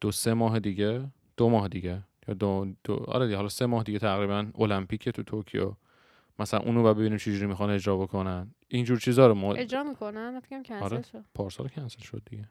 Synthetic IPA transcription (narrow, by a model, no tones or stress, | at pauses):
d̪̥ose̞mɒːɦed̪iɟe | d̪̥omɒːɦed̪iɟejɒ̰ːd̪od̪̥o̰ɒ̰ɾed̪iɡɦɒlɒse̞mɒːhed̪iɟet̪ʰæɣɾiːβænolæmpiːcʰet̪ʰut̪ʰoɾkʰḭjɒ̰ | mæsælæ̰nʔṵːnubɒæd̪be̞binimt͡ʃʰed͡ʒuɾiːmixɒne̞d͡ʒɾɒːbo̞kʰo̞nænind͡ʒuːɾt͡ʃʰiːzɒːɾomɔed͡ʒɾɒːmikonææfe̥kæmkʰæɒɾeʃopʰɒːɾsɒ̰lkʰænselʃo̞d̪̚ːiɡe